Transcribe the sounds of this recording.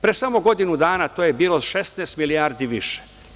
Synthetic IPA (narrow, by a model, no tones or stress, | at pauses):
pɾesamoɡo̞d̪inud̪aːnat̪oːjebiːlˠoʃest̪nɛːst̪milijaːɾd̪iʋḭʃe̥